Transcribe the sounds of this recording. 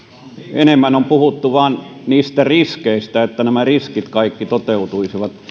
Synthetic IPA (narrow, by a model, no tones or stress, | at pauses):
enemːænompuhut̪ːuʋɑːnniːst̪æriskeˑist̪æet̪ːænæmæriskit̪kɑˑikːit̪ot̪eut̪uisiʋɑt̪